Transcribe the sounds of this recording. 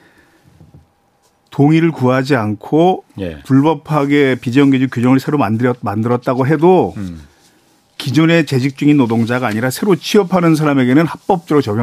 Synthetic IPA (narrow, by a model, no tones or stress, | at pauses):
toŋiɾɯɭkuad͡ʑiankʰopuɭbʌpʰaɡe̞pid͡ʑʌŋɡed͡ʑukjud͡ʑʌŋɯɭsʰeɾomamandɯɾʌt̚t͈aɡoɦe̞do | kid͡ʑone̞t͡ɕe̞d͡ʑʰik̚t͡ɕ͈uŋinːodoŋd͡ʑaɡaːɲiɾasʰe̞ɾot͡ɕʰiʌpʰanɯns̬ʰaɾame̞ɡe̞nɯnhak̚p͈ʌp̚t͡ɕ͈eɾot͡ɕʌɡj